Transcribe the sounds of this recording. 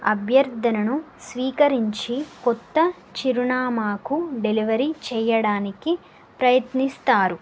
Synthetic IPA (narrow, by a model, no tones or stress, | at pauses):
ɐ̰bʱjɐɾd̪ʱɐnɐnu | sʋiːkɐɾiɲt͡ʃikɔt̪ːɐ | t͡ʃiɾunaːmaːkuɖeliʋɐɾit͡ʃɛːjɐɽaːniki | pɾɐjɐt̪nist̪aːɾu